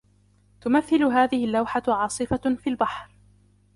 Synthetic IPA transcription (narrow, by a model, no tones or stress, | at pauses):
t̪ʊmaθːɪlʊɦaːðɪhɪlːawħaʕɑːsˤɨfafiːlbaħɾ